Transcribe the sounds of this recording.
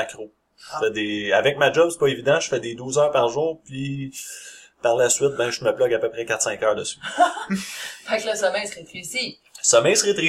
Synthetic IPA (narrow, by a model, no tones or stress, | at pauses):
akʁo | ʒfɛd̪eavɛk̚mad͡ʒɔbse̥pɔevid̪ãʒə̥fɛd̪ed̪uːzœːʁpaʁʒuːʁpi | paʁlasɥɪt̪̚bɛ̃ʒməblɔɡapøpʁɛkʲat̪sɛ̃ːkœːʁd̪əsy̥ | fɛkləsəmɛjsʁet̪izi | səmɛjsʁet̪ʁi